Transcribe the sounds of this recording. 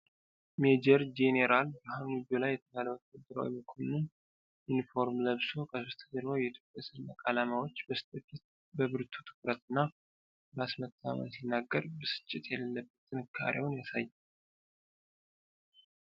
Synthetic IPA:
med͡ʒɛɾd͡ʒeneɾʔalbəɦanid͡ʒolajːɛt̪ʰəβaləwt̪ʰkɨd̪ɨɾa̰wḭməkʰonɨn | junifo̞ɾmləβso̞kʰəsost̪ʰəd͡ʒəɾmawjɛit̪ʰjo̞pʼjasɨlnːakʼalamawot͡ʃːbəsɨ̥t̪ʰʼɨkʰːit̪̚ | bəβɨɾt̪ʰu̥t̪ʰɨ̥kɾət̪ʼɨnːa | basmət̪ʰːa̰mə̰nsinːaɡːəɾbəsɨ̥t͡ʃʼːɪt̪jɛləlːəbːət̪ʼːɨnɨkʰːa̰ɾewʊnjasajːɛ

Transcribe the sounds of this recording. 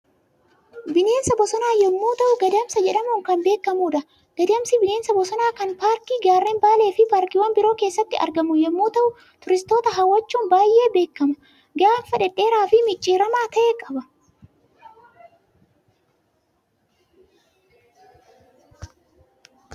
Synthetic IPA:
bɪne̞ːnsɐbɔsɔnaːjɛmːoːt̪ɐʔʊɡɐd̪ɪɐmsɐd͡ʒɛᶑɐmuːŋkɐnbe̞ːkːɐmuːᶑɐ | ɡ̥ɐd̪ɪɐmsɪbɪne̞ːnsɐbɔsɔnaːkɐnpaːɾkiːɡaːrːeːnbaːle̞ːfɪpaːɾkɪwɐnbɪɾo̞ːke̞ːsːɐt̪ːɪɐ̰ɾɡɐmʊjɛmːoːt̪ɐʔʊ | t̪ʊɾɪst̪o̞ːt̪ɐɦɐwːɐt͡ʃːuːnbaːjʔe̞ːbe̞ːkːɐmɐ | ɡaːnfɐᶑɛᶑːe̞ːɾaːfɪmɪt͡ʃʼːiːɾɐmaːt̪ɐʔeːkʼɐbɐ

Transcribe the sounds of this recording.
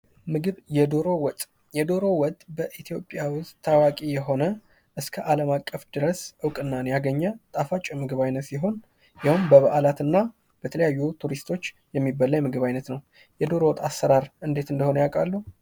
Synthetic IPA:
mɨɡɨβjɛd̪o̞ɾo̞wɔt̪ʼ | jɛd̪o̞ɾo̞wɔt̪ʼːbəʔit̪ʰijo̞pʼːjawʊst̪ʰːawakʼijɛɦo̞nə | ʔɨskʰəʔaləmakʼːəfd̪̥ɨɾəsʔɨwkʼɨnːanjaɡəɲːət̪ʼafat͡ʃʼɛmɨɡɨβajnət̪siɦo̞n | jawumbəβəʔalat̪ɨnːa | b̥ət̪ʰələjajːut̪ʰuɾist̪ʰo̞t͡ʃː | jɛmːibəlːaɲmɨɡɨβajnət̪nəw | jɛd̪o̞ɾo̞wɔt̪ʼːasːəɾaɾʔɨnd̪e̞t̪ɨnd̪əho̞nəjakʼalːu

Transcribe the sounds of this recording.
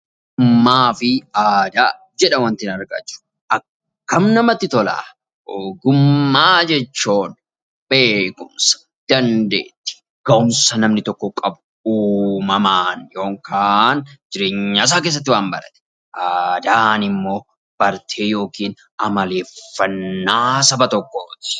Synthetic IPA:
ɡʊmːaːfɪaːd̪aː | d͡ʒɛᶑɐwɐnt̪ɪnɐɾɡɐ̰t͡ʃːʊ̥ | ʔɐk | kːɐmnɐmɐt̪ːɪt̪ɔla̰ː | ɡʊmːaːd͡ʒɛt͡ʃːoːn | b̥e̞ːkʊmsɐ̥ | d̪̥ɐnd̪ḛːt̪ːɪ̥ | ɡ̥ɐʔʊmsɐnɐmnɪt̪ɔkːɔkʼɐbʊ̥ | uːmɐmaːnjo̞ːŋkʰaːnd͡ʒɪɾe̞ːɲːaːs̬aːk̬es̬ːɐt̪̬ːɪwaːmbɐɾɐt̪ɛ̥ | ʔad̪aːnɪmːo̞ː | b̥ɐɾt̪ʰeːjo̞ːkiːn | ɐmɐle̞ːffːɐnːaːsɐbɐt̪ɔkːoːt̪ɪ̥

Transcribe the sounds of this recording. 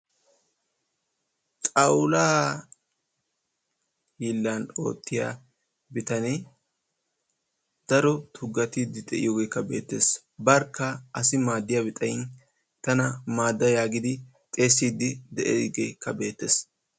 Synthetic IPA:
tʼɐwlaː | hiːlːano̞̰ːt̪ːɪja̰ː | bɪt̪ɐnɛ | d̪̥ɐɾɔt̪ʰʊɡːɐt̪iːd̪ːɪd̪ɛʔɪ̰joːɡejkːɐbe̞̰ːt̪ːe̞̰ːs | bɐɾkːɐʔɐsɪmaːd̪ːɪjabɪt̪ʼɐjɪn | t̪ɐnɐmaːd̪ːɐjaːɡɪd̪ɪ | t̪ʼe̞ːsːiːd̪ːɪd̪ɛʔɛ̰ɡejkːɐbe̞ːt̪ːe̞̰ːs

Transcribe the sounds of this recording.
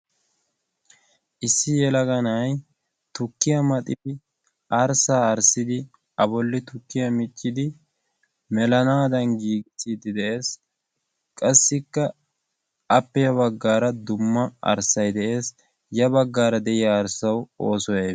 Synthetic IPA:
ʔɪsːɪjɛlɐɡɐnɐj | t̪ʊkːɪjɐmɐt̪ʼɪd̪ɪ | ʔɐɾsaːɾsɪd̪ɪ | ɐbɔlːɪt̪ʊkːɪjɐmɪt͡ʃʼːɪd̪ɪ | mɛlɐnaːd̪ɐnɡiːɡɪsiːd̪ɪd̪ɛʔe̞ːs | kʼɐsːɪkːɐ | ɐpːɛjɐβɐɡːaːɾɐd̪ʊmːɐɐ̰ɾsɐjd̪ɛʔe̞ːs | jɐbɐɡːaːɾɐd̪ɛʔɪjɐːɾsɐwoːsɔje

